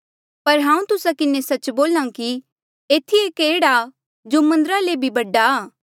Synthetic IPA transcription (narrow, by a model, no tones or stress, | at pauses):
pɐɾɦãːũt̪ʊsakɪnesɐt͡ʃboːlãki | eːt̪ʰieːkeːɽa | d͡ʒomɐ̃nd̪əɾalebʱibɐɖaː